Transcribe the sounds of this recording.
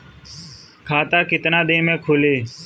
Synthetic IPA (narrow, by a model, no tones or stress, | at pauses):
kʰaːt̪aːkɪt̪nãːd̪ẽːmẽːkʰoːleː